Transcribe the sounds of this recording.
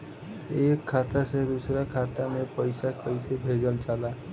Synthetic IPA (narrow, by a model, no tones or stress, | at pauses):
ekʰːat̪ased̪usɾakʰat̪amẽpəɪsakəisebʱed͡ʒəlt͡ʃala